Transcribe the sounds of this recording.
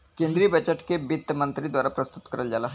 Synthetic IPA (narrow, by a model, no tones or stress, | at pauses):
kẽːnd̪ɾibɛt͡ʃəʈkebɪt̪ːəmɐ̃nt̪ɾid̪waːɾapɾɐst̪ʊ̥t̪kɐɾəld͡ʒaːlaː